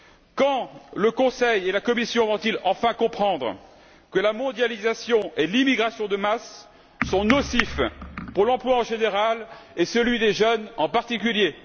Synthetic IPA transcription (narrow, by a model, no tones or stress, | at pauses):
kɑ̃ləkɔ̃sɛjelakɔmisjɔ̃vɔ̃t̪ilɑ̃fɛ̃kɔ̃pχɑ̃d̪ʁə̰ | kəlamɔ̃d̪jalizasjɔ̃ʔelimiɡʁasjɔ̃d̪əmasː | ɔ̃nɔsifpuʁlɑ̃plwaɑ̃ʒeneʁal | ɛsəlɥid̪eʒənɑ̃paʁt̪ik̬ʲylje